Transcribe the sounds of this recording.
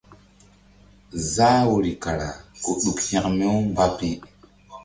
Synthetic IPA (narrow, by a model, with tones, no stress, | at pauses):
zaː˦wo˨ɾi˨ka˨ɾa˨ko˨ɗu˨khĩ˦kme˦wba˦pi˦